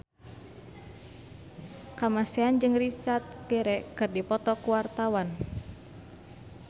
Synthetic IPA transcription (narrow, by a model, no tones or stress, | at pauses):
kamasɛand͡ʒɨŋrit͡ʃart̪̚ɡ̥ɛɾɛkɨrdipɔt̪ɔkuwart̪awan